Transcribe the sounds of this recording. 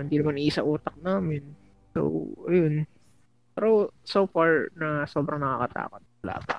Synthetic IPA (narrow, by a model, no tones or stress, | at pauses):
hɪnd̪iːnɐmanʔiʔːsɐʔuːt̪ɐk̚naːmɪn | so̰wʔɐjon | pɛɾosowfaɹnɐso̞ːbɾɐŋnɐkaːkɐt̪a̰ːkot̪̚wɐla̰ːpɐ̰